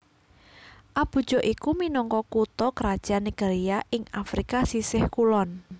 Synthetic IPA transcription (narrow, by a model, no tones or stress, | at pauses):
ʔab̥ṳd̥ʒ̥ɔ̤ʔikuminɔŋkɔkut̪ɔkəɾad̥ʒ̥a̤niɡ̥eɾiaʔɪŋafɾikasisɪhkulɔn